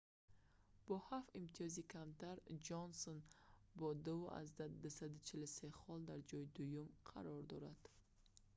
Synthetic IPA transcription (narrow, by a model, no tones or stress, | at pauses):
b̥ɔhafimt̪ʰijɔzikʰamt̪ʰaɾd͡ʒonsonbɔd̪uuʔa̰zd̪ad̪usad̪ut͡ʃʰiluseχɔld̪aɾd͡ʒɔjid̪ujumqʰa̰ɾɔɾd̪ɔɾad̪̥